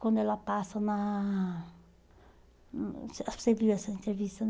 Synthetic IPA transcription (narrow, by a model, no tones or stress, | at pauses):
kwãnd̪oɛlapasɐna | saseviɛsɐint̪ɾevist̪ɐ